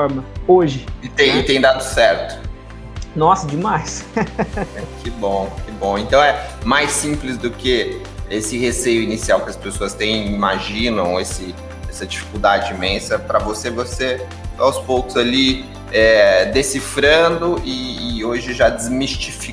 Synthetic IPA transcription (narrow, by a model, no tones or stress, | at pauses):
ɾmɐoʒɪɪt̪ẽj̃t̪ẽj̃d̪ad̪ʊsɛɾt̪ʊ̥ | nɔsɐd͡ʒɪmajs | kʰɪbõkɪbõẽnt̪ɐ̃w̃ɛmajsĩmplɪzd̪ʊkɪ | esɪhesejʊinisiawkɪɐspesoɐst̪ẽj̃imaʒĩnɐ̃w̃esɪ | ɛsɐd͡ʒifi̥kuwd̪ad͡ʒɪimẽsɐpɾɐvosevose | awspowkʊzali | ɛd̪esifɾɐ̃d̪ʊʔɪːoʒɪʒad͡ʒɪzmist͡ʃifi